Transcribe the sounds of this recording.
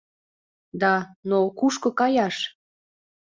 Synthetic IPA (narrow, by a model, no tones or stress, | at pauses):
d̪ɑnokuʃkŏkɑjɑʃ